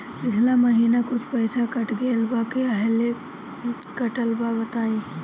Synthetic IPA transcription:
bɪslaməɦiːnakʊt͡ʃʰpəjsakɐʈɡelbakeɐɦle | kɐʈəlbabɐt̪aːi

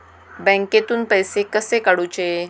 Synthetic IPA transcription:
bɛ̃ŋket̪uːnpəjsekəsekaɽut͡ɕe

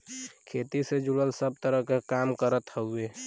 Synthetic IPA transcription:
kʰet̪ised͡ʒuɽəlsəb̚t̪əɾəɦkekamkəɾət̪həue

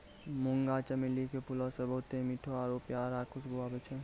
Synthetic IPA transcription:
mʊŋɡat͡ʃɐmilikepulasebɐɦʊt̪emiʈʰoaːɾoːpjaːɾaːkʰusɡoʋaːbət͡ʃʰe

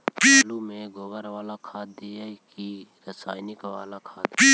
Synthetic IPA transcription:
pilumẽɡoːbəɾʋaːlakʰaːd̪̚iakiɾəsaːjnɪkʋa̰ːlakʰaːd̪pi

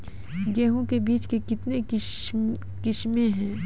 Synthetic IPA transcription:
ɡɛːɦõkebiːt͡ʃkekɪt̪ne | kɪʃmẽɦɛ̃ː

